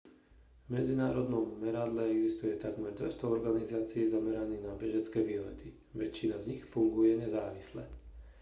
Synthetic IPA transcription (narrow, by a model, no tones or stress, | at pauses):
vmɛd͡zinaːɾɔd̪nɔmːɛɾad̪lɛɛɡzist̪ujɛt̪aɡmɛɾd̪ʋɛ̰st̪ɔɔɾɡanizaːt͡siɛzamɛɾaniːnabɛʒɛt͡skɛːʋiːlɛ̰t̪i | ʋɛt͡ʃːinazɲixfuŋɡujɛɲɛzaːʋislɛ